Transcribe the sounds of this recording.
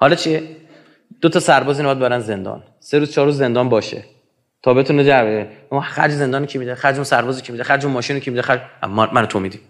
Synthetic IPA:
hɒːlɒt͡ʃʰie | d̪̥ot̪ʰɒsæɾbɒːzinææd̪̚bebæɾænze̞nd̪ɒ̰ːn | seɾuz̥t͡ʃʰɒːɾuːzːe̞nd̪ɒːnbɒːʃḛ | t̪ʰɒːbe̞t̪ʰuned͡ʒæɾveexæ̰ɾd͡ʒzend̪ɒːnecʰimid̪exæɾd͡ʒonsæɾbɒːzikʰimid̪exæɾd͡ʒomɒːʃiːnekʰimid̪exæɾd͡ʒ̰mænot̪ʰomiːd̪im

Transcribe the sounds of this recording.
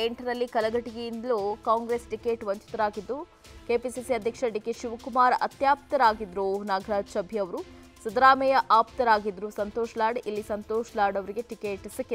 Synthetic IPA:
eɳʈɐnɐlːikɐlɐɡɐʈiɡejind̪ɐluːkaːŋɡɾeːsʈikeːʈʋɐɲt͡ʃi̥t̪ɐɾaːɡid̪ːu | keːpisisiɐd̪ʱjɐkʂɐɖikeʃuʋɐkumaːɾɐ̰t̪jaːp̚t̪ɐɾaːɡid̪ɾunaːɡʱɐɾaːd͡ʒsɐbʱiɐʋɐɾu | sɐd̪ɐɾaːmɛjɐʔaːpt̪ɐɾaːɡid̪ɾusɐnt̪oːʃɐlaːɖʔilːisɐnt̪oːʃɐlaːɽɐʋɐɾiɡe̞ʈikeːʈsɐkːe

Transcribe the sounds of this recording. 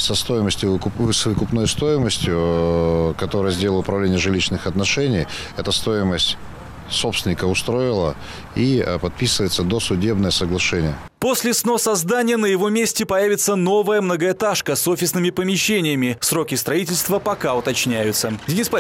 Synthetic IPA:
sɐst̪o̞jɪməsʲtʲjʊkvɨsvəkʊpno̞jst̪o̞jɪməsʲtʲjʊ | kɐt̪o̞ɾəjəzʲdʲelˠəʊpɾɐvlʲenʲɪjəʐɨlʲit͡ɕnɨxɐt̪nɐʂɛnʲɪjɛt̪əst̪o̞jɪməsʲtʲ | sopst̪ʲɪnʲɪkəʊst̪ɾo̞ɪlˠə | ipɐt̪̚pʲisɨvəjɪt̪səd̪o̞sʊdʲe̞bnəjəsəɡlˠɐʂɛnʲɪjə | po̞sʲlʲɪsno̞sɐzd̪anʲɪjənəjɪvo̞mʲesʲtʲɪpɐjævʲɪt̪səno̞vəjəmnəɡəɪt̪aʂkəso̞fʲɪsnɨmʲɪpəmʲɪɕːenʲɪjəmʲɪsro̞kʲɪst̪ɾɐitʲɪlʲst̪vəpɐkaʊt̪ɐt͡ɕnʲæjʊt̪sədʲɪnʲispa

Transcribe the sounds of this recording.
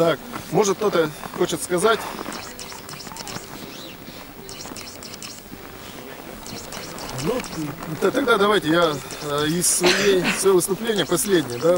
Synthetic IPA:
t̪akmo̞ʐɨt̪̚kt̪o̞t̪əxo̞t͡ɕɪt̪skɐzatʲ | nut̪t̪ɐɡd̪ad̪ɐvajtʲɪjaɪsːvɐjejsvɐjovɨst̪ʊplʲenʲɪjəpɐsʲlʲedʲnʲɪjəd̪a

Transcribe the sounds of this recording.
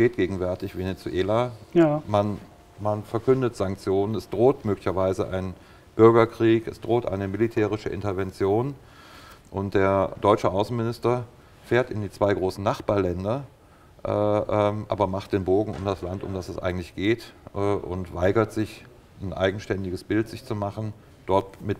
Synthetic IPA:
ʃteːt̚ɡ̥eːɡŋ̩vɛɐtɪçv̥enet͡suʔeːlaman | manfɛɐkʏndətz̥aŋk̚t͡sjoːnənɛsd̥ʁoːtmøːklɪçɐvaɪzəʔa̰ɪnən | b̥ʏɐɡɐkʁ̥iːkɛsd̥ʁoːtʔa̰ɪnəmɪlitʰɛːʁ̞ɪʃəʔɪ̰ntɐvɛnt͡sjoːn | ʔʊnt̚d̥eːɐdɔʏt͡ʃəʔaʊsn̩mɪnɪstɐ | feːɐtɪndiːt͡sv̥aɪɡʁoːsn̩naχb̥aːɐlɛndɐ | ʔɛʔmʔa̰ːbɐmaχt̚d̥eːnboːɡŋ̩ʊ̰mdaslantʊ̰mdasɛsʔa̰ɪɡŋ̩tlɪçɡ̥eːtʔɛːʔʊ̰ntv̥aɪɡɐtz̥ɪç | n̩ʔa̰ɪɡŋ̩ʃtɛndɪɡəsb̥ɪltz̥ɪçt͡sumaχn̩ | d̥ɔɐtmɪt

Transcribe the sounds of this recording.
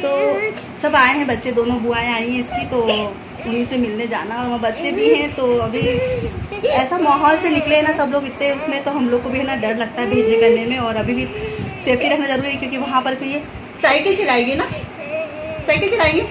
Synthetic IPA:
t̪oː | sɐbaːẽɦɛ̃bɐtːʃed̪oːnõbʊaːẽaːĩɛ̃ɪskit̪o | ʊnɦisemɪlned͡ʒa̰ːnaɔːɾʋɐɦãbɐtːʃebʱiɦɛ̃t̪oɐbʱi | ɛːsamaːɦɔːlsenɪkleɛnasɐbloːɡɪt̪ːẽɦɛ̃ʊsmẽt̪oɦɐmloːɡ̚kobʱiɦɛnaɖɐɾlɐɡ̚t̪aɦɛbʱeːd͡ʒnekɐɾnemẽɔːɾɐbʱibʱiseːfʈiɾɐkʰnazɐɾuːɾiɦɛ̃kjõːkiʋɐɦãpɐɾfʰɪɾje | saːɪkɪlt͡ʃelaːẽɡina | saːɪkɪəlt͡ʃɪlaːẽɡi

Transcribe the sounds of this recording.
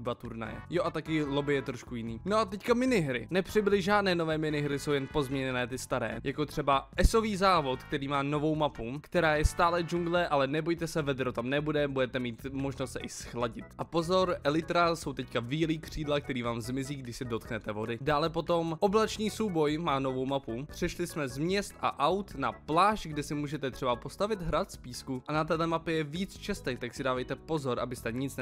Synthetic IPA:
bat̪uɾna̰jɛ̰joʔat̪akɪlobɪjɛt̪ɾoʃkujɪniːnoʔat̪ɛckamɪnɪɦɾɪ̰nɛpr̝̥ɪblɪʒʒaːdnɛːno̞vɛːmɪnɪɦɾɪso̞wjɛnpo̞zmɲɛɲɛnɛːt̪ɪst̪aɾɛ̰ːjʔakot̪r̝̥ɛbaʔɛso̞viːzaːvo̞t̪kt̪ɛɾiːmaːno̞vo̞wmapukt̪ɛɾaːjɛst̪aːlɛd͡ʒuŋɡlɛʔalɛnɛbo̞jt̪ɛsɛvɛd̪ɾot̪amnɛbudɛbudɛt̪ɛmiːt̪mo̞ʒnost̪sɛʔɪsxlaɟɪt̪ʔapo̞zo̞ɾʔɛlɪt̪ɾaso̞wt̪ɛckaviːliːkr̝̥iːdlak̚t̪ɛɾiːvaːmzmɪziːɡdɪʃsɛdo̞t̪knɛt̪ɛvo̞dɪdaːlɛpo̞t̪o̞mʔo̞blat͡ʃniːsowbo̞jmaːno̞vo̞wmapupr̝̥ɛʃlɪsmɛzmɲɛst̪ʔa̰ʔawt̪naplaːʃɡdɛsɪmuːʒɛt̪ɛt̪r̝̥ɛbapo̞st̪avɪd̪ɦɾat̪spiːskuʔanat̪ɛːlɛmapɪjɛviːt͡st͡ʃɛst̪ɛt̪aksɪdaːvɛjt̪ɛpo̞zo̞ɾʔa̰bɪst̪ɛɲɪt͡snɛ

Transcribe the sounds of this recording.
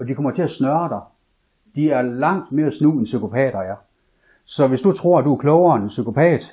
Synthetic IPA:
ɒ̽d̥ikʰɒ̽m̰ɐt͡sʰe̝æsnɶɐd̥ɑ̈ɪ | d̥iæɐlɑ̈ŋ̰d̥me̝ːɐæsnṵːensykʰo̝pʰɛ̰ːɾ̥ɐæ | sɒ̽ʋe̝sd̥ut͡sʰʁo̝ɐ̰æd̥uæɐkʰlɔʊɐensykʰo̝pʰɛ̰ːd̥

